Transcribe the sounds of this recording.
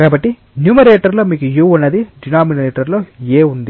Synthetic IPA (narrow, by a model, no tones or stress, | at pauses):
kaːbɐʈːi | njumɐɾeːʈɐɾlo̞ːmiːkujuːunːɐd̪iɖinaːminɐɾeːʈɐɾlo̞ːeːund̪i